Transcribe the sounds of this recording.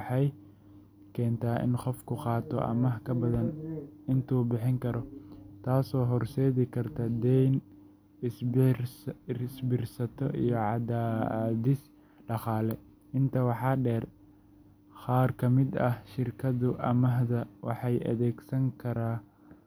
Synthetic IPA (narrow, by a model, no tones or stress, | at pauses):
ħɑj | kʰɛːnt̪ʰaːʔɪ̰nqɔfkʰʊqɑːt̪ʰɔ̰ʔɐ̰mɐɦkʰɐbɐðɐnɪnt̪ʰuːbɪħɪŋkʰɐɾɔt̪ʰaːsɔːɦɔrsɛːðɪkʰɐrt̪ʰɐd̪ɛjn | s | sbɪrsɐt̪ʰɔʔijɞʕɑd̪aːðɪs | ɖɑχɑːlɛ | ɪnt̪ʰɐwɑħɑːɖɛːr | χɑːrkʰɐmɪd̪ɐhʃɪrkʰɐðʊʔɐmɐɦðɐwɑħɑjʔɐ̰ðɛːɡsɐŋkʰɐɾaː